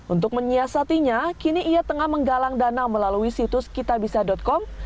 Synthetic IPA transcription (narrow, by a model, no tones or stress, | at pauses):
ʔunt̪ʊk̚məɲiasat̪iɲakiniʔːjat̪əŋahməŋɡalaŋdanaməlaluisit̪ʊskit̪abisadɔt̪̚kɔm